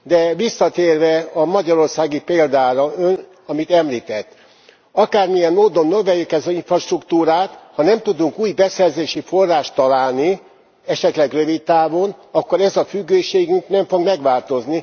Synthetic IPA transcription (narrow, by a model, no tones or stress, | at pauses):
d̪ɛʋisːɒt̪eːrvɛɒmɒɟɒɾo̞rsaːɡipeːld̪aːɾɒøn | ɒmit̪ɛmliːt̪ɛt̪ː | ɒkaːrmijɛnmoːd̪o̞nːøvɛjːykɛzɒiɱfrɒʃt̪rukt̪uːɾaːt̪hɒnɛmt̪ud̪uŋkuːjbɛsɛrzeːʃifo̞rːaːʃt̪ɒlaːlni | ɛʃɛt̪lɛɡrøvit̪t̪aːvo̞nɒkːo̞ɾɛzɒfyɡːøːʃeːɡyŋknɛɱfo̞ɡmɛɡʋaːlt̪o̞zni